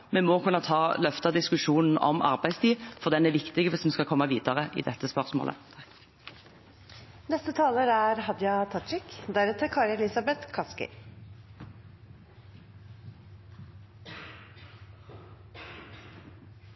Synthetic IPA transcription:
mɛmɔkʰʉnːɑt̪ʰɑːlœft̪ɑd̪ɪskʉʃuːnn̩ɔ̰mɑ̰ʁbæɪst̪ʰiːfɔʁd̪ɛnæʋɪkt̪ɪɡəʋɪsm̩skɑkʰɔmːəʋiːd̪əʁəʔɪ̰d̪ɛt̪ːəspœʁsmo̰ːlə̰ | nɛst̪ət̪ʰɑːləɾæɾhɑd̪jɑt̪ʰɑt̪ɾɪkd̪æɾɛt̪əkʰɑːɾɛlɪsɑbɛt̪kʰɑskɪ̰

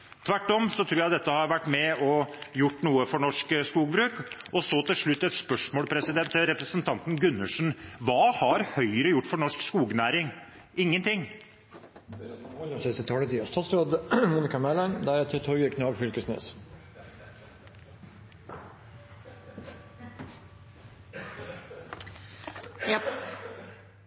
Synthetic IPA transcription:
t̪ʰʋæʈːɔmsɔt̪ʰɾuːɾjæɪd̪ɛt̪ːəhɑɾʋæʈːmɛɔjʊʈːnuːəfɔɳɔʂkskuːɡbɾʉːkɔsoːt̪ʰɪlʂɭʉt̪ːɛt̪spœʂmoːlpʰɾɛsɪd̪ɛnt̪ɾɛpɾəsənt̪ʰɑnt̪n̩ɡʉnːəʂn̩ʋɑːhɑɾhœʏɾəjʊʈːfɔɳɔʂkskuːɡnæːɾɪŋ | ɪŋːənt̪ʰɪŋː | sɛst̪ɪt̪ʰɑːlət̪ʰiːɑst̪ɑːt̪sɾoːd̪mʊnɪkɑmɛlənd̪æɾæt̪ʰɛt̪ʰɔɡəkʰnɑʋfʏlkəsnḛːs

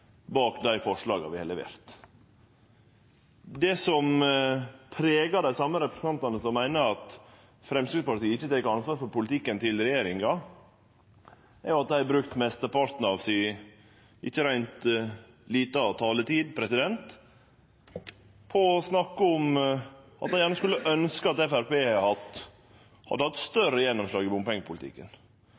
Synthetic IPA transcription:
bɑːkd̪æɪfɔʂɭɑːɡɑ̰ʋɪhɛlɛʋḛːɾt̪ | d̪ɛsɔm | pʰɾeːɡɑd̪æɪsɑmːəɾɛpɾə̥sn̩t̪ɑnt̪ɑnəsɔmːæɪnəɑt̪ | fɾɛmskɾɪd̪pɑʈ̪iːəɪçːət̪ʰeːkəɑnsʋɑːɾfɔɾpʊlɪt̪ɪkːənt̪ʰɪlɾɛjeːɾɪŋɑ | æɾjʊɑt̪̚d̪æɪbɾʉkt̪mɛst̪əpɑɾt̪n̩ɑʋsɪ | ʔɪçːəɾæɪnt̪ | liːt̪əɔt̪ʰɑːlət̪iːd̪pʰɾɛsɪd̪ɛnt̪ | pʰɔɔsnɑkːəɔm | ʔɑt̪̚d̪æɪjæːɳəskʉlːəʔœnskəɑt̪ɛfæɾpeːhɑt̪ | hɑ̰d̪ːəhɑt̪st̪œɾəjɛnːɔmslɑːɡɪbʊmpɛŋːəpʰʊlɪt̪ɪ̰kːə̰n

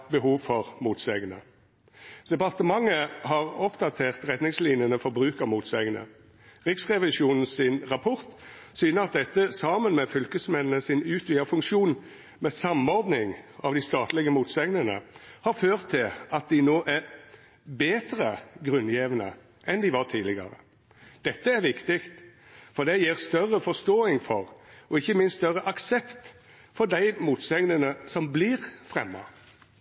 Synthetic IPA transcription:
bəɦuːʋfɔʁmuːt̪sɛɡənə̰ | d̪̥ɛpɑʁt̪əmɑŋːəhɑʁɔpd̪ɑt̪ʰeːʁt̪ʁɛt̪nɪŋsliːnjənəfɔʁbʁʉːkəmuːt̪sɛɡnə̰ | ʁɪksʁɛʋɪʃuːnn̩sɪnʁɑpʰɔʁt̪syːnəʁɑt̪̚d̪ɛt̪ːəsɑːmənmɛfʏlkəsmɛnnəsɪnʉːt̪ʰʋiːəfʉŋkʃuːn | mɛsɑmɔɾd̪nɪŋɑʋd̪ɪst̪ɑːt̪lɪɡəmuːt̪sɛɡnənə̰hɑɾføːʁt̪ʰːɪlɑt̪̚d̪ɪnoːʔæɾ | beːt̪ɾəɡɾʉnːjeʋənə̰ | ʔɛnd̪ɪʋɑɾt̪ʰiːdlɪɡə̰ɾə̰ | d̪̥ɛt̪ːəæɾʋɪkt̪ɪkt̪ | fɔɾd̪ɛjiːɾst̪œrːəfɔst̪oːɪŋfɔɾɔɪçːəmɪnst̪œɾəʔɑksɛpt̪ | fɔɾd̪æɪmuːt̪sɛŋnənəsɔmbliʁfɾɛ̰mːɑ̰

